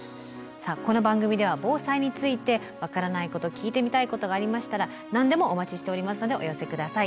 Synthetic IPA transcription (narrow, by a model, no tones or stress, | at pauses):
saːko̞no̞bãŋɡɯ̟mʲid̪e̞β̞abo̞ːsaiɲ̟it͡sɨit̪e̞ | βakaɾanaiko̞t̪o̞kʲiːt̪e̞mʲit̪aiko̞t̪o̞ɡaːɾʲimaɕi̥t̪aɾa | nãnd̪e̞mo̞ʔːmat͡ɕiɕi̥t̪e̞o̞ɾʲimasɨno̞d̪e̞ʔo̞jose̞kɯ̟d̪asai